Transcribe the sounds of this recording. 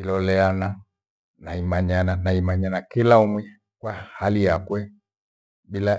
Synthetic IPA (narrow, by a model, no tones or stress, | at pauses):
ilɔlɛana | naimaɲananaimaɲanakilaumwi | kwahalijakwɛ | bila